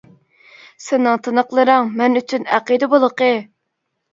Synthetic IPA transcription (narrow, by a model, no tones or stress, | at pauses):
sɪnɨŋt̪ʰɨnəqlˠɨɾɑŋmɛnyt͡ʃʰynæqəd̪əbolˠəqə